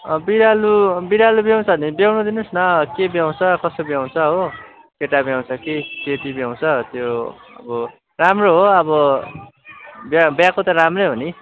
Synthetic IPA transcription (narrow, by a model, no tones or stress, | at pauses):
biɾalubiɾalubjaw̃t͡sʰʌnibjawnud̪inusnʌkebjaw̃t͡sʰʌkʌsobjaw̃t͡sʰʌɦo | keʈabjaw̃t͡sʰʌkiketibjaw̃t͡sʰʌt̪joʌ̰bʌ | ramroɦoʌbʌ | bjabjãkot̪ʌɾamreɦoni